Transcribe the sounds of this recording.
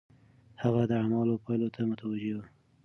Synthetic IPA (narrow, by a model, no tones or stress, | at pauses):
haɣad̪əamɑlopʰɑjlot̪ʰamʊt̪awad͡ʒewu